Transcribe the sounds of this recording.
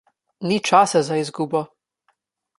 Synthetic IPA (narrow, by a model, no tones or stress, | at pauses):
nit͡ʃaːsazaizɡuːbɔ